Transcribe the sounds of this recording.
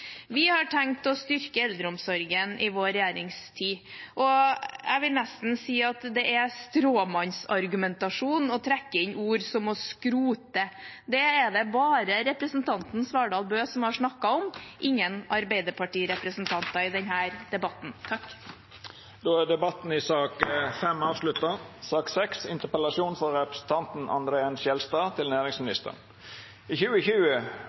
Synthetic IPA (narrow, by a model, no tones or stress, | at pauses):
ʋɪhɑʈʰɛŋt̪ɔst̪ʏɾkəɛld̪ɾəɔmsɔɾɡənʔɪʋoːɾɛjæːɾɪŋst̪ʰiːʔɔæ̰ɪʋɪlnɛst̪n̩siːɑt̪d̪ɛʔɛst̪ɾoːmɑnsɑɾɡʉmɛnt̪ɑʂuːnɔt̪ʰɾɛkːəɪɲʔuːɾsɔmɔskɾuːt̪əd̪ɛːd̪ɛbɑːɾəɾɛpɾəsən̩t̪ʰɑnt̪n̩sʋɑːɖɑːlˠbøːsɔmhɑʂnɑkːɑɔmʔɪŋːənɑɾbæɪd̪əpʰɑʈiːɾɛpɾəsnt̪ʰɑnt̪ɑɪd̪ɛnɦæːɾd̪ɛbɑt̪n̩t̪ʰɑk | d̪oːæɖ̪ɛbɑt̪n̩ɪsɑːkfɛmɑːʋslʉt̪ːɑsɑːksɛksɪ̰nt̪əpəlɑʃuːnfɔɾɾɛpɾəsn̩t̪ʰɑnt̪n̩ʔɑ̰nd̪ɾeːənʃjɛlst̪ɑːt̪ʰɪlnæːɾɪŋsmɪnɪst̪ə̰ʁn | ɪçʉːəçʉːə